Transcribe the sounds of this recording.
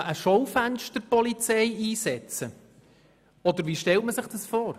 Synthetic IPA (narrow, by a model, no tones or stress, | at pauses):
ʔəʃɔwfænʃtəɾpɔlit͡sɛɪiːsɛt͡sə | ɔd̪əɾʋiːʃtɛltməsɪχd̥ɑsfɔːɾ